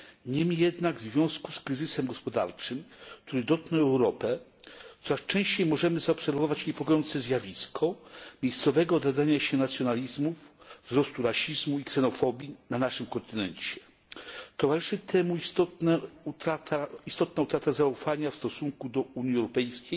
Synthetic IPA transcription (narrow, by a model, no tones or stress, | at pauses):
ɲɛmijɛd̪naɡvzvʲjɔ̃w̃skuskɾɘzɘsɛmɡɔspɔd̪a̰ɾt͡ʂɘmk̚t̪uɾɘd̪ɔt̪̚nɛɛwɾɔpɛ | t̪ɔɾast͡ʂɛ̃w̃ɕt͡ɕejmɔʐɛmɘzaɔpsɛɾvɔvat͡ɕɲɛpɔɡɔjɔnt̪sɛzʲjavʲiskʰɔmʲjejst̪sɔvɛɡɔːd̪ɾad̪zaɲaɕɛnat̪sʲjɔnalʲizmuvvzɾɔst̪uɾaɕizmuiksɛnɔfɔbʲjinanaʂɘmkɔnt̪ɘnɛnt͡ɕɛ | t̪ɔvaɾɘʂɘt̪ʰɛmuist̪ɔt̪nɛut̪ɾat̪ʰaist̪ɔt̪naut̪ɾat̪azaufaɲafst̪ɔsuŋkud̪ɔuɲiɛwɾɔpɛjskʲej